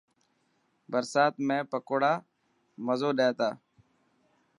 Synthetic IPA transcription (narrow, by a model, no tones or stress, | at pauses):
bəɾsaːt̪mẽːpəkoːɽaː | məzoːɗeːt̪aː